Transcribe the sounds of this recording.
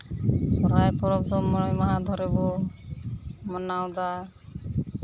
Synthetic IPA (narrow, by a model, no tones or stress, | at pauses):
sɔɾajpɔɾɔbd̪ɔmːɔɽɔjmaɦad̪ʱɔɾɛbɔ | mɔnawd̪a